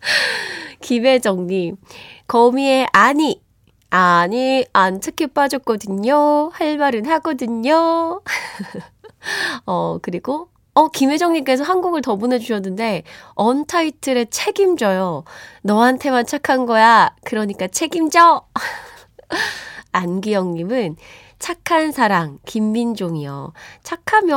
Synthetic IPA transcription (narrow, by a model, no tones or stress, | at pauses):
kime̞d͡ʑʌŋɲimkʌmie̞ʔaɲi | aɲiantʰɯkʰep͈ad͡ʑʌk̚k͈ʌdɯɲohaɭmaɾɯnhaɡʌdɯɲo | ʌkɯɾiɡo | ʌkime̞d͡ʑʌŋɲimk͈e̞sʰʌɦanɡuɡɯɭtʌbone̞d͡ʑuɕʰʌnːɯnde̞ʌntʰaitʰɯɾe̞t͡ɕʰe̞ɡimd͡ʑʌjonʌɦantʰe̞mant͡ɕʰakʰanɡʌjakɯɾʌɲik͈at͡ɕʰe̞ɡimd͡ʑʌ | anɡijʌŋɲimɯn | t͡ɕʰakʰːansʰaɾaŋkimːind͡ʑoŋijʌ̰t͡ɕʰakʰamjʌ